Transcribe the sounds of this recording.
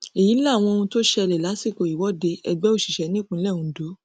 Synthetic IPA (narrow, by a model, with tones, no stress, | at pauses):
e˨ji˨˦la˦˨w̃ɔ̃˧o˧ũ˧to˦ʃɛ˦˧lɛ˨la˨˦si˦˨ko˨i˨wɔ˨˦de˧ɛ˧ɡ͡bɛ˦o˦˨ʃi̥˨ʃɛ˨˦nĩ˦kũ˦lɛ˦˨ũ˧˨do˨˦